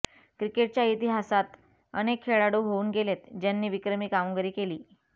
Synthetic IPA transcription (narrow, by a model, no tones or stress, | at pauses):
kɾikeʈ̚t͡ɕjait̪iɦasat̪ | ə̰nekʰːeɭaɽuːɦouːnɡelet̪d͡ʑanːiːʋikɾəmiːkamɡəɾiːkeliː